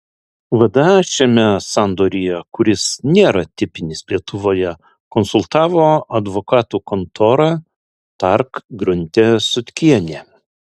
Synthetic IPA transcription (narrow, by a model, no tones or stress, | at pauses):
ʋɐd̪ɐʃʲɛmʲɛsɑnd̪oːɾʲijɛkʊɾʲɪsnʲeːɾɐt̪ʲɪpʲɪnʲɪslʲiɛt̪ʊʋoːjɛ | kɔnsʊlˠt̪ɑːʋoːɐd̪ʋokɑːt̪uːkɔnt̪ʰoːɾɑ | t̪ɐɾkɡɾʊnʲt̪ʲesʊt̪ʲkʲiɛnʲeː